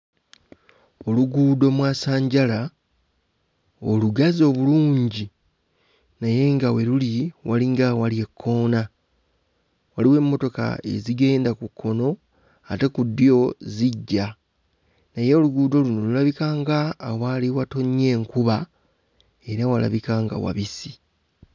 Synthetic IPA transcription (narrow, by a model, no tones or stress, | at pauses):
oluɡuːdo̞mwaːsaːɲɟala | oluɡazo̞βuluːɲɟi | naje̞ŋɡawe̞luliwʔaliŋɡawalie̞kʰːo̞ːna | waliwe̞ːmːo̞to̞ka̰e̞̰ziɡe̞ːndakukʰːo̞no̞ | ate̞kud̪ːjo̞ziɟːa | neje̞oluɡuːdo̞lunolulaβikaːŋɡaːwaliwato̞ɲːe̞ːŋkuβa | e̞ɾawala̰βikaːŋɡa̰wa̰βisi